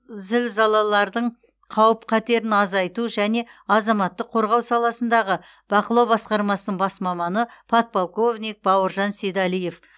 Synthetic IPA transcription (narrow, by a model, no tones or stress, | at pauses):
zɪlzɑlˠɑlˠɑɾd̪əɴ | qʰɑwəp̚qʰɑt̪e̞ɾɪnɑzɑjt̪uʒæne̞ɑzɑmɑt̪ːəqʰːo̞ɾʁɑwsɑlˠɑsənd̪ɑʁə | b̥ɑqəlˠɑwbɑsqɑɾmɑsənəɴbɑsmɑmɑnəpʰɑt̪̚bolˠko̞vnʲijk̚bɑwəɾʒɑnsed̪ɑlije̞f